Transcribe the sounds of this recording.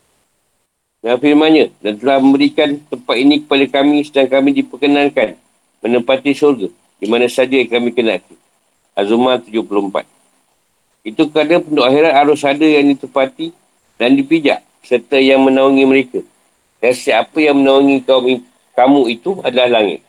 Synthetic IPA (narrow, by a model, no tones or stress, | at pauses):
nãfirmãnɲãdant̪əlahmə̃mbəɾikant̪əmpat̪̚inĩkə̥padakamĩsədaŋkamĩdipəkənãnkan | mə̃nəmpat̪isurɡa | dimãnãsad͡ʒakamĩkəna̰ʔk̪i | azumãt̪ud͡ʒʊhpuluəmpa̰t̪̚ | it̪ukəɾadapəndoʔaxiɾat̪aɾʊsadəjaŋdit̪əmpat̪i | dandipid͡ʒa̰ʔ | sərt̪əjaŋmə̃nauŋĩməɾeka | kasiapəjaŋmənauŋikaumi | kamũit̪uadalahlaŋɪ̰t̪̚